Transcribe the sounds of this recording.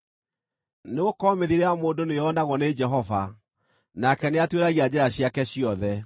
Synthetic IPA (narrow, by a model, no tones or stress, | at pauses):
neɣokɔmeðiɾeamoːndonejɔnaɣɔned͡ʒɛɦɔva | nakɛneatweɾaɣiad͡ʑɛɾaɕiakɛɕiɔðɛ